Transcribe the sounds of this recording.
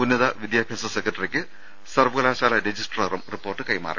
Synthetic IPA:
unːɐðɐʋid̪jaːbʱjaːsɐsekːrɐʈːɐrikʲːɨ | sɐrʋɨɣɐlaːɕaːlɐɾed͡ʑisʈrɐrɐmripːo̞ːrʈːɨkɐjma̰ːrɐ̰

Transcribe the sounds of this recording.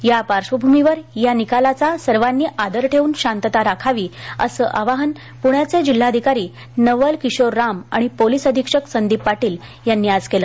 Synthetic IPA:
japaɾʂʋəbʱumiʋəɾjanikalat͡sasəɾʋanːiːʔad̪əɾʈʰeuːnɕant̪ət̪aɾakʰaʋiːəsəːʔaʋaɦən | puɳjat͡sed͡ʑil̤ːaəd̪ʱikaɾiː | nəʋəlkiɕoɾːama̰ɽ̃ipolisəd̪ʱikʂəksənd̪ipːaʈiːl | janːiːad͡zkelə

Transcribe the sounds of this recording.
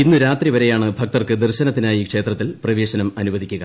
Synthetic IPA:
inːuɾaːt̪riʋɐɾejaːɳɨbʱɐk̚t̪ɐrkɨd̪erɕɐnɐt̪ːinaːjikʂe̞ːt̪rɐt̪ːilprɐʋe̞ːɕɐnɐmɐnuʋɐd̪ʱikʲːuɣɐ

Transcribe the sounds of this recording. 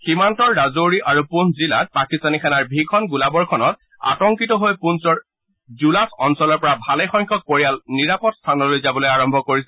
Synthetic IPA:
ximantɔɹːazoɹiʔaɹupunszilat̚pɹakistanikʰanaɹbʱikʰɔnɡulabɔɹkʰɔnɔt̚ | a̰tɔŋkitɔɦojpunsɔɹ | zulasɔnsɔlɔɹpɔɹabʱalɛjxɔjŋkʰɔk̚poɹijalniɹapɔtstʰanɔlojzabɔlojaɹɔmbʱɔkoɹisɛ

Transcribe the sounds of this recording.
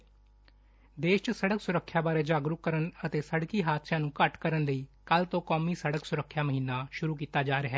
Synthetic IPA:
d̪eːʃt͡ʃsəɽəksʊɾəkʰːjaːbaːɾeːd͡ʒaːɡɾʊkkːəɾənət̪eːsəɽkiːɦaːd̪sjãːnũːkəʈkəɾənləiːkəlt̪õːkɔːmiːsəɽəksʊɾəkʰːjaːməɦiːnaːʃʊɾuːk̬iːt̪aːd͡ʒaːɾɦɛː

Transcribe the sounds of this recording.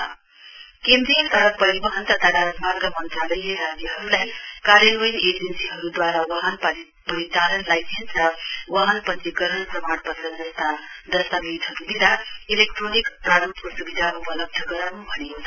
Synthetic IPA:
kend̪ɾijəsaɾpʌɾibʌɦʌnt̪at̪aɽamaɾɡəmʌnt̪ɾaləjeɾad͡ʑjəɦʌɾulajkaɾjələjied͡ʒensiɦʌɾud̪waɾaʋaɦənpaɾi | pʌɾit̪alənlajsʰensʌwaɦənpʌnt͡siɡʌɾənpɾʌmaɽpʌt̪ɾʌnd͡zʌst̪ad̪ʌst̪amiid̪ʱɦʌɾubid̪ʱailekʈɾonikpɾaɾəmpusubid̪ʱaʔupələb̚d̪ʱəɡʌɾaw̃bʱʌneɦo

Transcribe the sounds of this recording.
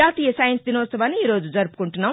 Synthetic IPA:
aːt̪iːjɐsaːjɐnsd̪inɔːt̪sɐʋaːnːiiːɾo̞ːd͡ʒud͡ʒɐɾupu̥kuɳʈunːaːm

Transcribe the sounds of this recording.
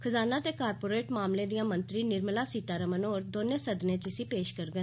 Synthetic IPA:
kʰəzaːnaːt̪eːkaːɾpoːɾeːʈmaːmlẽːd̪ijãːmənt̪ɾiːnɪɾmlaːsiːt̪aːɾəmənoːɾd̪oːnẽːsəd̪nẽːt͡ʃɪsiːpeːʃkəɾɡən

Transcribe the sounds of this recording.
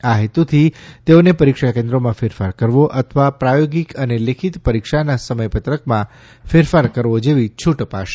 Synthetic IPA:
aɦit̪ut̪ʰit̪eonepəɾikʃakẽnd̪ɾomãfeɾfaɾkəɾʋoʔət̪ʰəʋapɾajoɡikənelekʰit̪pəɾikʃanasəməjpət̪ɾəkmã | feɾfaɾkəɾʋod͡ʒeʋit͡ʃʰuʈpaʃe

